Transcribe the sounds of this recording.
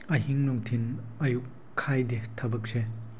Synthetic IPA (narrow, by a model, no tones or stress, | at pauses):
ɐɦiŋnɔŋtʰinɐjukʰː | ajdetʰɐbɐk̚se